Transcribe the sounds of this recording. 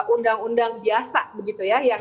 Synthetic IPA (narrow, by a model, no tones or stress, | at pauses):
ʔundaŋundaŋbiasabəɡit̪ujajaŋ